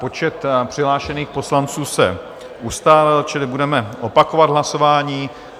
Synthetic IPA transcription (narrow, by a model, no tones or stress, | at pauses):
pot͡ʃɛt̪pr̥ɪɦlaːʃɛniːxpo̞slant͡suːsɛ̰ | ʔust̪aːlɪlt͡ʃɪlɪbudɛmɛʔo̞pakovad̪ɦlaso̞vaːɲiː